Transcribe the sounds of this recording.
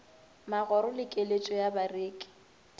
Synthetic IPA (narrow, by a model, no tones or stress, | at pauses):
maɣɔɾʊlɪkʼelet͡ʃʼɔjabareːkʼɪ̥